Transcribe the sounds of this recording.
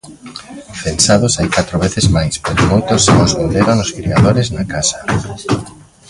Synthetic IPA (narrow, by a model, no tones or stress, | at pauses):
fensað̞ʊsajkat̪ɾoβeθezmajspeɾomojt̪osːeŋozβond̪eɾoŋʊskɾiaðoɾeznakasḁ